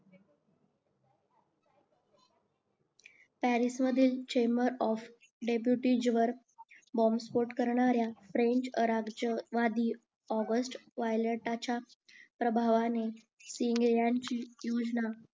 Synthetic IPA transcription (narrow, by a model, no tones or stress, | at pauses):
pæɾisməd̪ʱiːlt͡ɕeməɾɔf | ɖep̬juʈid͡ʑʋəɾ | bɔmspoɾʈkəɾɳ̃aɾjafɾeɲt͡ɕɾaɡd͡ʑəʋad̪iː | ɔɡəsʈʋajləʈat͡ɕa | pɾəbʱaʋane | siŋɡjãɲt͡ɕiːjod͡ʑna